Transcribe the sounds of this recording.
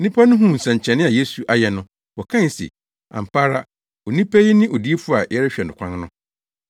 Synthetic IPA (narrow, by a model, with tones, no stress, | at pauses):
nĩ˦pʰa˦nʊ̃˦ɦũ˦˨n̩˨sã˨ɲ˨t͡ɕʰɛ̃˨nɪ̃˦a˨je˦su˨ʔa˨jɛ˨nʊ̃˦ | ɔ˨kʰã˦˨sḭ˨ | ã̰˨m̩˨pʰaː˦ɾa˦ | ɔ˨nĩ˦pʰæ˦ji˦nɪ̃˦ʔɔ˨di˦e˦fu˦a˨jɛ˦ɾɛ˦ɕᶣɛ˨n˨ʊ̃˨kʷʰã˦nnʊ̃˦